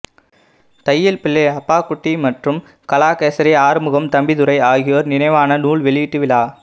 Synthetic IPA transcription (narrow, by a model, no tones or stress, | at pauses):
t̪ɐjːɐlpɪlːeɐpːaːkːʊʈːimɐʈrɯm | kɐlaːkeːsɐɾɐaːɾmɯɣɐmt̪ɐmbɪðɯɾɐɪaːɣɪjoːɾnɪnɐɪʋaːnɐnuːɭʋɛɭɪʋɪʈːɯʋɪlaː